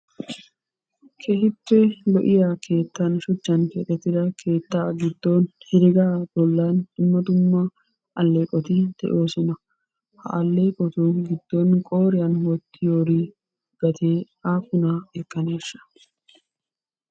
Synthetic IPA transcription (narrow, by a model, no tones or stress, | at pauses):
kʰɛhɪpːɛlɔʔɪjaːkʰe̞ːt̪ːɐnʃʊt͡ʃːɐnkeːt̪ʼːɛt̪ːɪd̪ɐkʰe̞ːt̪ːaːɡɪd̪ːonhɪɾɪɡaːbɔlːaːnɪmːɐt̪ʊmːɐ | ʔɐlːeːkʼːɔt̪ɪd̪̥ɛ̰ʔo̞ːsɔnɐ | hɐ̰ʔɐlːeːkʼɔt̪uɡɪd̪̥ːɔnkʼo̞ːɾɪjɐnwɔt̪ʰːɪjoːɾi | ɡ̥ɐt̪ʰeː | aːkʊnaɛkʼːɐneːʃɐ̥